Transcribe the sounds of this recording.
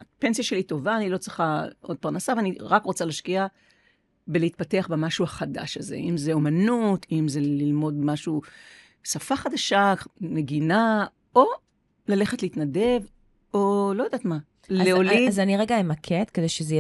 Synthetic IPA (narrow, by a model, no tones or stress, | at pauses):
pensijaʃelito̞vaːnilo̞t͡sʁiχaʔod̪̚paʁnasaveaniʁakʁo̞t͡saleaːʃkia | beleit̪̚pateaχbemaʃuaχada̰ʃazḛʔimzeo̞manutʰimze̞lilmo̞dmaʃu | safaχad̪aʃane̞ɡina | o̞ | lale̞χetleit̪nade̞v | o̞lojodaːtma | leolizaniʁeɡaemakʰet̪kedejʃeze